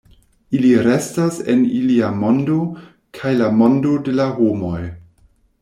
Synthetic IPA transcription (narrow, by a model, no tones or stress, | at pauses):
iliɾe̞stasḛniliamo̞ndo | kʰajlamo̞ndode̞lahomo̞j